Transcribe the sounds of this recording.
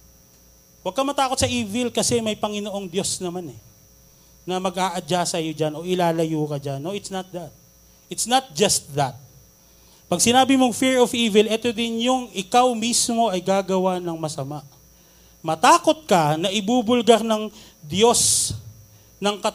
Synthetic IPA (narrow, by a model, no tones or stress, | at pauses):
wɐɡ̚kɐmɐt̪aːko̞t̪sɐʔiːvɪlkɐsɛmɐjpɐŋɪno̞ʔo̞ŋd̪jo̞snɐmanɛ | nɐmɐɡʔaːʔɐd͡ʒasɐjo̞d͡ʒano̞ʔɪlaːlɐjuːkɐd͡ʒanːo̞ʔɪt̪snɐt̪̚d̪ɐt̪̚ | ʔɪt̪snɐt̪̚d͡ʒɐst̪̚ðɐt̪̚ | pɐɡsɪnaːbɪmoŋfɪɹofiːvɪlʔɛt̪od̪ɪnjʊŋʔɪkawmismo̞ʔɐjɡaːɡɐwanɐŋmɐsɐmaʔ | mɐt̪aːko̞t̪̚kɐnɐʔɪbubʊlɡɐɾnɐŋ | d̪jo̞s | nɐŋkɐ